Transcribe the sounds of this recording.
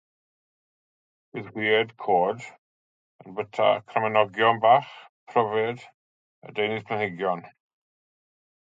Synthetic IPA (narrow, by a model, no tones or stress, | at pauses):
b̥ɪðɡwiːɛdkʰoːd | ənbətʰa̰kʰramɛnɔɡjɔnbaːχpʰrɔvɪd | ə̰dejnɪðpʰənhɪɡjɔn